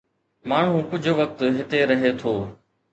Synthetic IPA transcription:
maːɳ̤ũkʊd͡ʑʱʊʋɐk̚t̪ɦɪt̪eɾɐɦet̪ʰoː

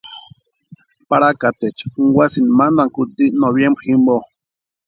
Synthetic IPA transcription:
paɾakat̪et͡ʃuŋɡwʷasinmanaŋkut̪inoβjembximbo

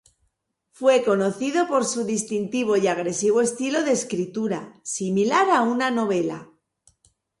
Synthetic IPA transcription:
fwe̞ko̞no̞θið̞o̞po̞ɾsuðist̪int̪iβ̞o̞iaɣ̞ɾe̞siβ̞o̞e̞st̪ilo̞ðe̞skɾit̪uɾasimilaɾaunano̞β̞e̞la̰

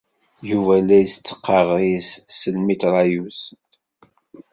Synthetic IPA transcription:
juvælːæjsət͡sːə̥qːɑrˤissəlmit̪ɾˤɑjus

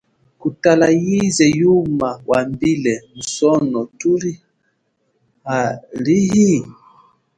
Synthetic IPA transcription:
kutalajizɛjumawʔambilɛmusɔnɔtuɾi | haliɦi

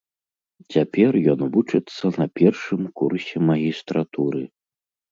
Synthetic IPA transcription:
t͡sʲapʲɛrjɔnvut͡ʂɨt̪sːɐnɐpʲɛrʂɨmkursʲɛmɐɣʲist̪ɾat̪uɾɨ

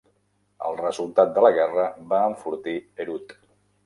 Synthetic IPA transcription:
ə̰lˠrəzulˠt̪at̪̚d̪ələɣɛrəβaːɱfuɾt̪iəɾut̪

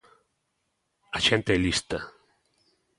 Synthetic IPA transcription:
aʃent̪eɛlist̪a

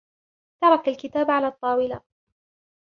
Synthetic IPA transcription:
t̪ɑɾˤɑkalkɪt̪aːbʕalaːt̪ˤːɑːwɪla

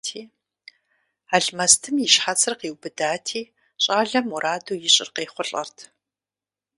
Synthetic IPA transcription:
tʰiː | aːɮmɐstʰɨmjɪʃħat͡sʰɨrqeːwbɨdaːtʰiː | ɕʼaːɮɐmuɾʔaːduːjɪɕʼɪ̰rqeːχʷʊɬʼɐ̰rtʰ

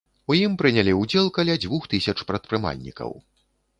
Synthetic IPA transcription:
ujimpɾɨnʲalʲiud͡zʲɛlˠkalʲad͡zʲvuxt̪ɨsʲɐt͡ʂpɾɐt̪̚pɾɨma̰lʲnʲḭkɐ̰w

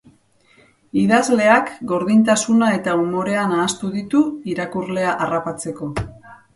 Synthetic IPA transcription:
iðazle̞akɡo̞ɾðint̪asunae̞t̪aumo̞ɾe̞anaːst̪uðit̪uiɾakurle̞aʔarapat͡se̞ko̞

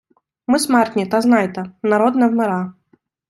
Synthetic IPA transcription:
mɨsmart̪ʲnʲit̪aznajt̪ɐnaɾɔd̪nɐvmɛɾa

